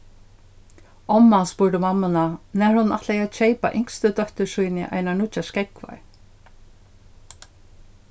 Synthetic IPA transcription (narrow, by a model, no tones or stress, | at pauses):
ɔmːaspuːɾd̪ɪmamːɪnanɛɾhʊnːʔa̰ht̪lɛjat͡ʃejpa̰ʔɪŋ̥kst̪ʏt̪œht̪ʏsujnɪ̰ʔa̰jnaɳʊt͡ʃaskɛkva̰ɹ